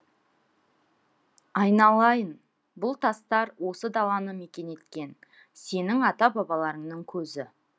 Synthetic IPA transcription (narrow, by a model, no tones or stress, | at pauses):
ɑjnɑlˠɑjən | bʊlˠt̪ʰɑst̪ɑɾwo̞səd̪ɑlˠɑnəme̞kʲe̞ne̞t̪kʲe̞n | se̞nɪŋɑt̪ɑbɑbɑlˠɑɾəɴnəɴkʲʰɵzɪ